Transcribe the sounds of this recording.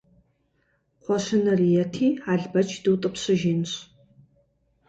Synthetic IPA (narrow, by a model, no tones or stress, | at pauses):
qʷɔɕɪnɐrijɛtʰiːaːɮbɐt͡ʃʰduːtʼɨpɕɨʒiːnɕ